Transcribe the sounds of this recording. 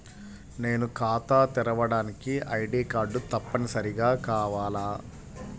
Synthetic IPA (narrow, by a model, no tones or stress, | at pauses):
ne̞ːnukaːt̪aːt̪iɾɐʋɐɽaːnikiɐjɖiːkaːɾɖut̪ɐpːɐnisɐɾiɡaːkaːʋaːlaː